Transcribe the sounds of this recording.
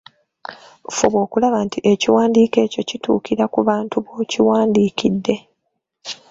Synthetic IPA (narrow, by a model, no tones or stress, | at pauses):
fuβwo̞ːkulaβantiʔe̞ciwaːndiːke̞ːco̞citṵːkiɾakuβaːntuβoːciwaːndiːkidːe̞